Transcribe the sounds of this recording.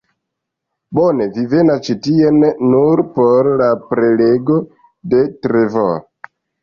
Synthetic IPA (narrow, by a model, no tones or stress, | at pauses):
bone̞vive̞nast͡ʃitienːuɾpoɾlapɾe̞le̞ɡo̞ | de̞tɾevo̰